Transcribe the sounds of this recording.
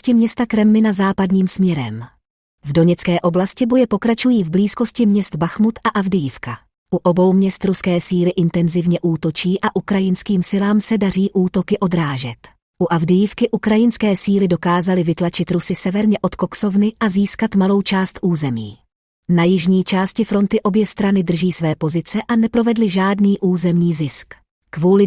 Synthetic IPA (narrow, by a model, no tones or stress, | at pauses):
scɪmɲɛst̪akɾɛmːɪnazaːpadɲiːmsmɲɛɾɛ̰m | vdo̞ɲɛt͡skɛːʔo̞blascɪbojɛpo̞kɾat͡ʃujiːvbliːsko̞scɪmɲɛst̪baxmut̪ʔaʔavdɪjɪfka | ʔuʔo̞bo̞wmɲɛst̪ɾuskɛːsiːlɪʔɪnt̪ɛnzɪvɲɛʔuːt̪o̞t͡ʃiːʔaʔukɾajɪnskiːmsɪlaːmsɛdariːʔuːt̪o̞kɪʔo̞d̪ɾaːʒɛt̪ | ʔuʔavdɪjifkɪʔukɾajɪnskɛːsiːlɪdo̞kaːzalɪvɪt̪lat͡ʃɪt̪ɾusɪsɛvɛɾɲɛʔo̞t̪ko̞kso̞vnɪʔaziːskat̪malo̞wt͡ʃaːst̪ʔuːzɛmḭː | najɪʒɲiːt͡ʃaːscɪfɾo̞nt̪ɪʔo̞bjɛst̪ɾanɪd̪r̩ʒiːsvɛːpo̞zɪt͡sɛʔanɛpɾo̞vɛdlɪʒaːdniːʔuːzɛmɲiːzɪsk | kvuːlɪ